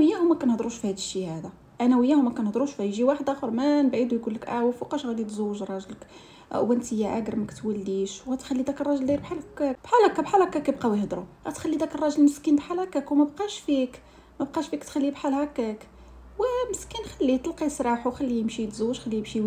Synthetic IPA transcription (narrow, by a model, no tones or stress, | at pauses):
wəjːæhʊmːækænhd̪ˤɾuʃfihæd̪əʃːihæd̪æ | ʔænæwəjːæhʊmːækænhd̪ˤɾuʃfæjʒiwaħd̪axʊɾˤmænbʕid̪ujɡulːəkʔæwfuqɑʃɣælit̪zuwːəʒrˤɑʒlək | wənt̪əjːæʔæ̰ɡəɾmækt̪wælːiʃwɣæt̪xælːid̪ækərˤːɑʒəld̪iɾbħalkækbħalɑkabħalɑkakæjbqɑwjhd̪ɾuɣæt̪xælːid̪ækərˤːɑʒəlməskinbħalækækwmæbqɑʃfik | mæbqɑʃfikt̪xælːibħalhækæk | wəməskinxælːit̪ˤlqisˤɾˤɑħuwxælːiəmʃit̪zuwːəʒxælːimʃi